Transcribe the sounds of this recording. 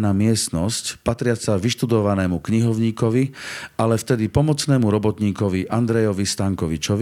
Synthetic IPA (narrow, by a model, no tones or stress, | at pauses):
naːmɪɛst̪nɔscpat̪ɾɪat͡saʋiʃt̪ud̪ɔʋanɛːmukɲiɦɔʊɲiːkɔʋialɛft̪ɛd̪ipɔmɔt͡snɛːmuɾɔbɔt̪ɲiːkɔʋiʔand̪ɾɛjɔʋist̪aŋkɔʋit͡ʃɔʋi